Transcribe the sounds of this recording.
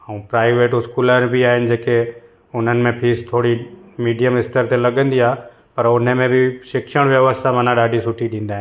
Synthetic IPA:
ə̃ũpɾaːɪʋeːʈʊskuːləɾbiaːɦɪnɪ̆d͡ʑeːke | ʊn̤ənɪ̆mẽpʰiːst̪ʰoːɽimiːɖijəmɦɪst̪əɾt̪elɐɠə̃nd̪iaːɦ | pɐɾʊn̤əmẽbɪʃɪkʃəɽ̃ʋjɐʋəst̪ʰamɐ̃nãɗaːɖʱisʊʈʰiɗĩːnd̪aːɦɪ̃

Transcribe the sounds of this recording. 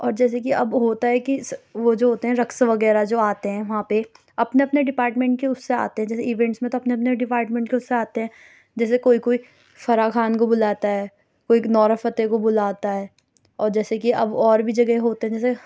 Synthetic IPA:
ɔːɾd͡ʒɛːs̬ekiɐbɦoːt̪aɦɛkiʋod͡ʒoːɦoːt̪eɦɛ̃ɾɐksʋɐɡɛːɾad͡ʒoːaːt̪eɦɛ̃ːʋɐɦãpe | ɐpneɐpneɖɪpaːɾʈmẽːɳʈ̚keʊsːea̰ːt̪eɦɛ̃d͡ʒɛːseiʋɛ̃ːɳʈsmẽt̪oɐpneɐpneɖɪpaːɾʈmẽːɳʈkeʊsːeaːt̪eɦɛ̃ː | d͡ʒɛːsekoːikoːi | fɐɾakʰaːnkobʊlaːt̪aɦɛː | koːinɔːɾəfət̪ekobʊlaːt̪aɦɛː | ɔːɾd͡ʒɛːsekiɐbɔːɾbʱid͡ʒɐɡɦeɦoːt̪eɦɛ̃d͡ʒɛːs̬e

